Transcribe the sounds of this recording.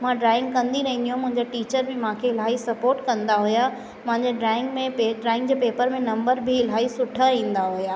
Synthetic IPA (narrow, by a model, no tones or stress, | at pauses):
mãɖɾaːɪ̃ŋɡ̚kɐ̃nd̪iɾɐɦĩnd̪ijũmʊ̃ɦɪ̃ɲd͡ʑeʈiːt͡ɕəɾbɪmãːkʰeɪl̤aːisɐpoːɾʈkɐ̃nd̪aɦʊja | mɐ̃ɦɪ̃ɲd͡ʑeɖɾaːɪ̃ŋɡmẽpeɖɾaːɪ̃ŋɡd͡ʑeːpeːpəɾmẽnɐ̃mbəɾbʱɪɪl̤aːisʊʈʰəĩːnd̪aɦujaː